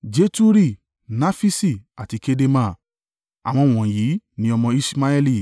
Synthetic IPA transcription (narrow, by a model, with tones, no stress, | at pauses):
d͡ʒe˨˦tu˦ɾi˦˨ | na˦fi˦si˦˨a˨ti˨˧ke˦de˧mã˦˨ | a̰˨w̃ɔ̃˧˨w̃ɔ̃˨jiː˨˦nĩ˦ɔ˧mɔ̃˧i˦sma˦ɛ˦li˦˨